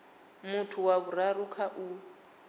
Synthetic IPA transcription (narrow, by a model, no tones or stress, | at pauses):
mutʰuwaβuɾarukʰaʔu